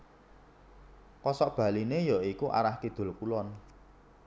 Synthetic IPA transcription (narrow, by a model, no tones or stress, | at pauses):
kɔsɔʔb̥ä̤linejɔikuʔa̰ɾahkid̪̥o̤lkulɔn